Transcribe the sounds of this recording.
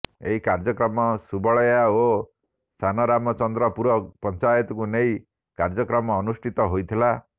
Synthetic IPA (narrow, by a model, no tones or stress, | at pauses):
eɦikaɾd͡ʒɔkɾɔmɔsubɔɭɔjao | sʰanɔɾamɔt͡ʃɔnd̪ɾɔpuɾɔpɔnt͡ʃajɔt̪ɔkunej | kaɾd͡ʒɔkɾɔmɔːnusʈʰit̪ɔɦojt̪ʰila